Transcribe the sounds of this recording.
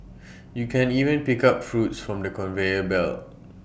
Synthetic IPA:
jukʰɛ̃nivə̃npikap̚fɹutsfɹɔ̃mdəkɔ̃nveəbɛ̰l

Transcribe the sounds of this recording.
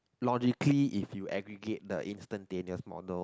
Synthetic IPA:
lɔd͡ʒikliʔifjuʔɛɡɹiɡet̚dəʔĩnstə̃nteniəsmɔ̰dəl

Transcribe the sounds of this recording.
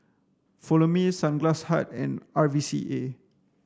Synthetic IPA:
fɔlomĩsãnɡlasha̰t̚ɛ̰̃navisḭʔe

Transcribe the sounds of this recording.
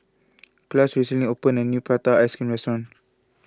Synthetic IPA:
klasɹisilĩŋopə̃nənjupɹat̪aaskĩmɹɛstɔɹɔ̃n

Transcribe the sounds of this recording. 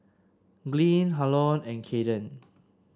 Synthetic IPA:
ɡlĩnɦalɔ̃nɛ̃nkʰedə̃n

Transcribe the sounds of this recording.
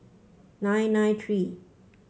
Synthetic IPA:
nãɪnãɪtʰɹi

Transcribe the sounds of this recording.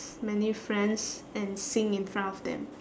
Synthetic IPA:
mɛnifɹɛ̃ns | ɛ̃nsĩŋĩnfɹãntɔfd̪ɛ̰̃m

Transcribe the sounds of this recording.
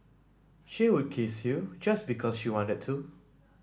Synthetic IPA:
ʃiwud̚kʰeshud͡ʒasbikʰɔsʃiwɔ̃ntəd̚tʰu

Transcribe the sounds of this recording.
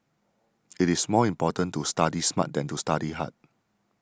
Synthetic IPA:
itismɔĩmpɔtə̃ntustadisma̰t̚dɛ̃ntustadiɦa̰t̚

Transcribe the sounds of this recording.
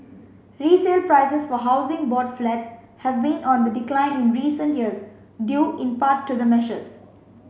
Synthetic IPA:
ɾiːseːlpɾaɪsəsfɔɦaʊzɪ̃ŋbɔːɖflɛʈs | hɛvbĩnʔɔ̃nd̪əɖɪklãɪ̃nɪ̃nɹiːsə̃nʈjiəz | ɖjuːʔɪ̃npaːʈːud̪əmɛʃə̰s

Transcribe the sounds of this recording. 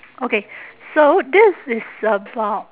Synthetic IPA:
oʊkeɪsoʊðɪsɪz̥sʌba

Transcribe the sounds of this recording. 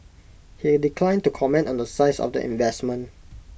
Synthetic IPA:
hidikʰlãɪ̃ntukʰɔmɛ̃ntɔ̃ndəsaɪsɔ̰fdə̰ʔḭ̃nvɛsmə̃n

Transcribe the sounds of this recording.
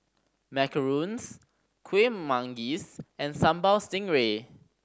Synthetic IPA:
mɛkəɹũns | kʰwemãŋɡisɛ̃nsãmbalstɪ̃ŋɹe

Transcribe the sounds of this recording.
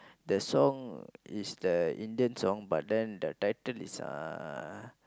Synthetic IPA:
dəsɔ̃ŋisdəĩndiə̃nsɔ̃ŋba̰t̚dɛ̃ndətajtəlḭsã̰

